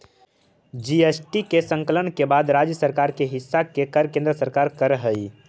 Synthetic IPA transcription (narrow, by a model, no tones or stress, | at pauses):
d͡ʒiesʈikesəŋkələnkebad̪ɾad͡ʒjəsəɾkaɾkeɦisːakekəɾkẽnd̪ɾəsəɾkaɾkəɾɦəj